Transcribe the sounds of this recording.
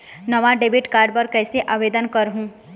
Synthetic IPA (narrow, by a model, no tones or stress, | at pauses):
nɐʋaɖeːbɪʈkaːɾɖpɐɾkɛːseʔaːʋeːd̪ənkɐɾɦũː